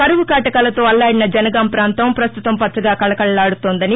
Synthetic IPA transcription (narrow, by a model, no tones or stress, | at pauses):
kɐɾuʋukaːʈɐkɐlɐt̪o̞ːɐlːaːɽinɐd͡ʒɐnɐɡɐːmpɾaːnt̪ɐmpɾɐst̪ut̪ɐmpɐt̪sɐɡaːkɐlɐkɐɭɐlaːɽut̪oːnd̪ɐni